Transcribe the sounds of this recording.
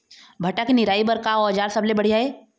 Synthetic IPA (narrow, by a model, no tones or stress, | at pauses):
bʱɐʈakinɪɾaːibɐɾkaɔːd͡ʒaːɾsɐblebɐɽijaeː